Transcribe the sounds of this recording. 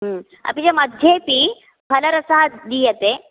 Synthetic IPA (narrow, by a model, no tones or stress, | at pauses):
ɦə | a̰pid͡ʑeməd̪ʱjepiː | fʰələɾəsaɦad̪iːjet̪e